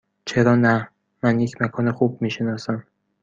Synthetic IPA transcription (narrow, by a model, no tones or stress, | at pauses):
t͡ʃʰe̞ɾɒːnæ | mænjecʰmækʰɒːnexuːb̚miːʃenɒːsæm